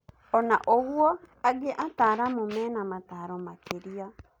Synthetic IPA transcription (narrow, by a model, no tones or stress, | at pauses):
ɔnaʔoɣwɔ | aɡeʔataːɾamomɛːnamataːɾɔmakeɾia